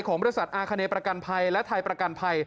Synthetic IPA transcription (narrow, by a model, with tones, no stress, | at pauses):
jkʰɔː˩˦ŋbɔ˧˥sa˨˩t̪̚ʔaː˧kʰa˧neː˧pɾa˧ka˧npʰa˧jlɛ˦˥t̪ʰaː˧jpɾa˧ka˧npʰa˧j